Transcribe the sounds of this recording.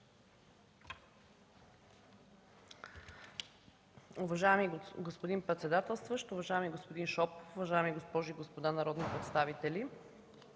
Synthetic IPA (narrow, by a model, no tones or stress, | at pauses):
ʊvɐʒajɛmiɡospod̪inpɾɛt̪sɛd̪at̪ɛlˠst̪vəʃt̪ʊvɐʒajɛmiɡospod̪inʃɔpfʊvɐʒajɛmiɡospɔʒuiɡospod̪anɐɾɔd̪nipɾɛt̪st̪avit̪ɛli